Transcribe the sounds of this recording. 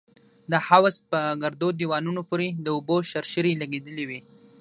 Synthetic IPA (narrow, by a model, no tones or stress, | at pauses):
d̪əhawzpəɡaɾd̪od̪iwɑnunopoɾed̪əuboʃaɾʃəɾilaɡed̪əliwi